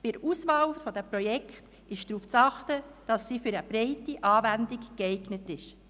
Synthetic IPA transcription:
b̥ɪɾuːsvɑːlfɔdɛmpɾɔjɛkχt | ɪʃd̥ɾuːft͡sɑχtəd̥ɑsːifʏɾəb̥ɾɛɪtiʔɑːvændikɡ̥ɛɪɡnətɪʃ

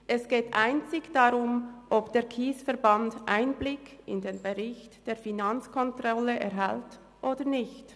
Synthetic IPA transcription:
ʔɛsɡ̥eːtʔaɪnt͡sɪçd̥aʁʊmʔɔpd̥eːʁkʰiːsfɛɾbandʔa̰ɪnblɪkɪndeːnbeʁɪçtd̥eːfinant͡skʰɔntʁɔləʔɛʁɦɛlt | ʔoːdənɪçt

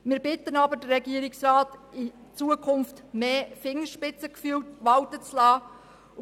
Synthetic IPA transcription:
mɪːɾbɪtːənɑbədəɾɛɡiːəɾɪksrɑːtɪt͡suːəkʰʊnftmeːfɪŋəʃpɪt͡səkfywtʋɑwtət͡slɑː

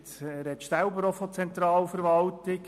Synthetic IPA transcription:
tɾɛt̪ʃsælbəɾɔfɔt͡sɛnt̪ɾɑːlfəɾʋɑltɪk

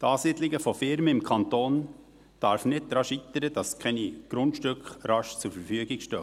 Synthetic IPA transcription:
t̪ɑːsidlɪɡəfofɪɾməɪmkʰɑnt̪oːn | d̥ɑɾfnɪt̚tɾɑʃit̪ːəɾəd̥ɑskʰɛniɡ̥ɾʊntʃtʏkχɾɑʃt͡sʊɾfəɾfyəɡɪɡʃtø̰ː

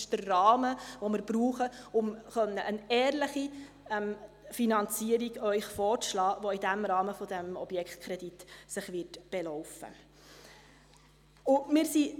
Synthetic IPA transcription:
ʃd̥ərːɑːməʋomɪɾbɾuːχəʊmχœnːəʔənɛːrləχi | ɛm | finɑnt͡siːəɾiɡœʏχfɔːrt͡sʃlɑːʋoidæmɾɑːməfɔd̥æmɔ̰b̥jɛkχt̪kʰɾɛd̥itsɪχʋɪtb̥elɔwfə̰ | ʊmɪːɾsi

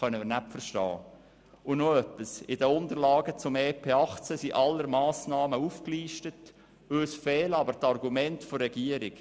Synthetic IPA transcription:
œnəmɪnæpfərʃtɑ̰ː | ʊnoœpːisɪdəʊnd̪əɾlɑːɡət͡sʊmeːpʰeːɑχt͡səsiʔɑlːəɾmɑːsnɑːməufkliːʃtət | øsfɛːlɑbəɾtɑrɡumɛntforɛɡiəɾɪk

